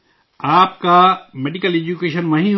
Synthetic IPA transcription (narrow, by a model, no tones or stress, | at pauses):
aːpkameːɖikəleːd͡ʒukeːʃənʋɐɦĩ